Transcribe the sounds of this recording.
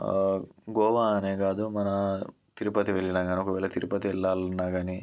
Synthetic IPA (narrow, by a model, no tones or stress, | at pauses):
ɡɔːʋaːne̞ːɡaːd̪umɐnɐ | t̪iɾupɐt̪iʋeɭːinaːɡaːniokɐʋɛːlɐt̪iɾupɐt̪iɛɭːaːlnːaːɡaːni